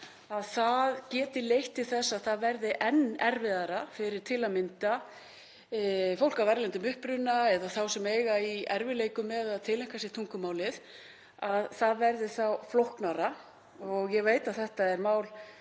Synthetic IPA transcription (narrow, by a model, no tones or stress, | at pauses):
aðθaðcɛːt̪ɪlejht̪ɪ̥θɛsːaðθaðvɛɾðɪʔɛnːɛɾvɪðaɾafɪɾɪɾ̥t̪ʰɪlamɪnt̪a | fowl̥kavɛɾlɛnt̪ʏmʏhpɾʏnːaɛðaθawsɛmeːjɣaiɛ̰ɾvɪleːjkʏmːɛðaðt̪ʰɪlejŋ̥kasɪɾ̥t̪ʰuŋkʏmaːwlɪθ | aðθaðvɛɾðɪθawflowhknaɾa | ɔɣjɛveːjt̪aðθɛht̪aɛɾmaːwl